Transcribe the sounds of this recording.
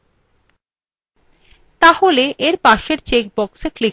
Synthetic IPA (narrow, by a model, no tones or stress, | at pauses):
t̪aholeʔeɾpaʃeɾt͡ɕek̚bɔksekli